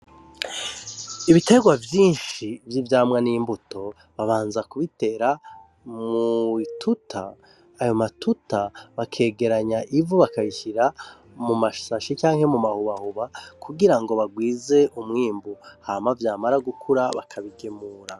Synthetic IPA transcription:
iβite̞ɡwavjiːnʃivjivjaːmwŋanimbuto̞ | βaβaːnzakuβite̞ːɾa | muitʰutʰaː | jo̞matutaβakʰe̞ːɡe̞ɾaɲaʔivuβakaβiçiɾa | mumaʃaʃit͡ʃaːŋhe̞mumahuβahuβakʰuɡiɾaŋɡo̞βaɡwiːze̞ʔumŋiːmbuhamavjaːmaɾaɡukʰuɾaβakʰaβiɡemuːɾa

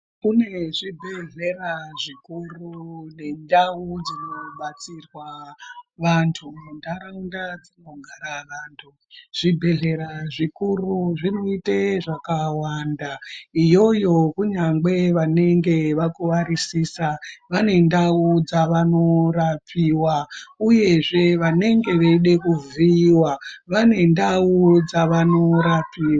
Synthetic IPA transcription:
kune̞ʐibʱe̞ɮe̞raʐikurune̞ndaud͡zinoɓat͡sirwa | ʋantʰundaɾaundad͡zinoɡʱaɾaʋaːntʰu | ʐ̥ibʱe̞ɮe̞ɾaʐikuruʐino̞iteʐakawandaijo̞jo̞kuɲaŋɡe̞ʋane̞ŋɡe̞ʋakuʋarisisaʋane̞ndaud͡zaʋano̞rapiːwauje̞ʐe̞ʋane̞ŋɡe̞ʋeiɗe̞kuviwaʋane̞ndaud͡zaʋano̞ɾapiːwa

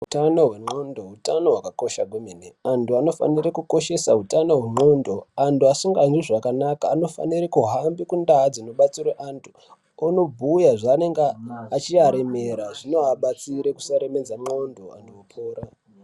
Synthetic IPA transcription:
utano̞ɦwe̞mo̞ndoɦutano̞ɦwakako̞ʃaɡʱwemeneantʰuano̞fa̰nirekuko̞ʃe̞saɦutano̞ɦwemo̞ndo̞antʰuasuŋɡand͡ʒiʐakanakaːno̞fa̰nirikuɦambikundaɦd͡zinoɓat͡siɾeʔantʰu̥ | ano̞bʱujaʐaane̞ŋɡeat͡ʃiaɾeme̞ɾaʐinoaɓat͡siɾe̞ku̥saɾe̞me̞d͡zamo̞ndo̞a̰ntʰuwopʰoːɾa

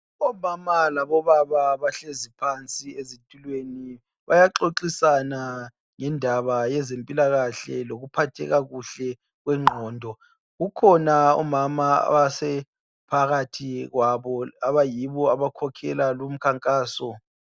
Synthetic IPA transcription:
ɔmamalaβɔβaβaβaɬezipʰant͡sʼiezitʼulweni | βajaǁoǁisana | ŋɛndʱaβajɛzempʼilaɣaɬɛloɣupʰatʰɛ̰ɣaɣuɬɛ | ɣwɛŋ͡ǃʱɔːndʱɔ | ɣukʰɔnaɔ̰mamaa̰βasɛ | pʰaɣatʰiɣwaβɔaβajiβɔaβakʰɔkʰɛlalum̩kʰaŋkʼaːsɔ

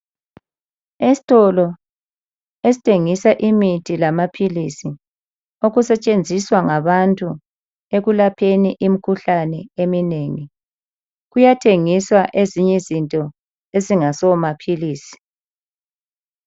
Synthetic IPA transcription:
esi̥tʼɔlɔ | esi̥tʰeŋisaʔimitʰilamapʰilisi | oɣusɛt͡ʃʼend͡zʱiswaŋaβantʼu | eɣulapʰeniʔimikʰuɬanɛemineːŋi | ɣujatʰeŋiswaʔeziɲɛzintʼɔ | eziŋasɔmapʰiliːsi̥

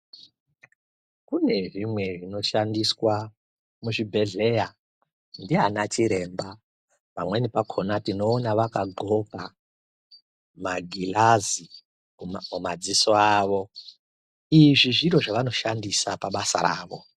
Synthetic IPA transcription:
kune̞ʐimwe̞ʐino̞ʃandiswa | muʐibʱe̞ɮe̞ja | ndianat͡ʃiɾe̞mba | pamwe̞nipakʰonatino̞ːnaʋakaɡʱo̞pa | maɡʱilazi | mumad͡zisoaːʋo̞ | iʐiʐiɾo̞ʐaʋano̞ʃandisapaɓasa̰ɾa̰ːʋo̞

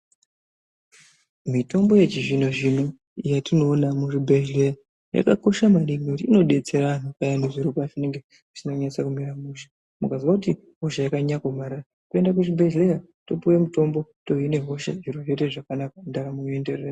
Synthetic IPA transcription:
mito̞mbo̞je̞t͡ʃiʐinoʐino̞ | ijatino̞ːnamuʐibʱeleja | ja̰kako̞ʃamaɾimokutiino̞ɗe̞t͡seɾaan̤ukajaneʐiɾopafineŋɡe̥ | u̥sinakuɲat͡sakumiɾamuʃḁ | mukaziʋakuti | ɦo̞ʃajakaɲakomaɾara | kue̞ndak̬uʐibʱeʒleja | topuwemuto̞mbo̞to̞ɦine̞ɦo̞ʃa̰ʐiroʐete̞ʐakanakandakamuende̞rera

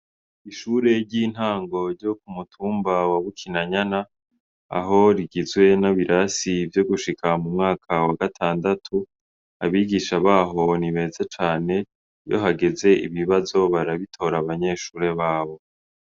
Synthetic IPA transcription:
iʃuːɾe̞ɾɟiːn̥haːŋɡo̞ɾɟo̞k̚umutʰuːmbawaβukʰinaɲana | a̰ɦo̞ɾiɡizɡwe̞naβiɾʔasivjo̞ɡuʃikʰamumŋaːkʰawaɡatʰaːndatʰu | aβiːɡiʃaβaːɦo̞niβe̞zet͡ʃaːne̞ | jo̞̰ɦaɡe̞ze̞ʔḭβiβazo̞βaɾaβitʰo̞ːɾaβaɲe̞ːʃuːɾe̞βaːβo̞

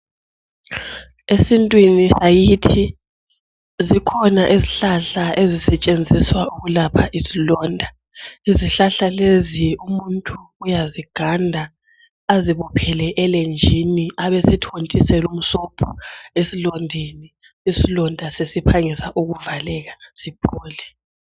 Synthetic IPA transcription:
esintʼwinisajitʰi | zikʰɔnaʔiziɬaɬaʔezisɛt͡ʃʼend͡zʱiswauɣulapʰaʔisilɔːndʱa | iziɬaɬaleziumuntʼuːjaziɡ̥ʱandʱa | aziβɔpʰɛlɛʔɛlend͡ʒʱiniaβɛsɛtʰontʼisɛlum̩sɔpʰɔesilɔndʱiniː | silɔndʱasesipʰaŋisaʔuɣuvalɛɣasib̥ʰoːli

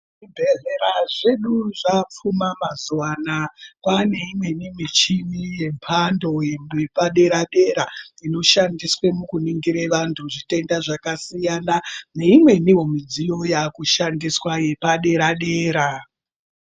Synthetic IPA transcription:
ʐibʱe̞ɮeɾaʐe̞ɗuʐap͡fumamazwanakwane̞imwe̞nimit͡ʃimije̞mpʰando̞jemepaɗe̞ɾaɗe̞ɾaino̞ʃandiswemukuniŋɡiɾeʋantʰuʐite̞ndaʐakasijanane̞imwe̞niwo̞mid͡zijo̞jakuʃandiswaje̞paɗe̞ɾaɗeːɾa

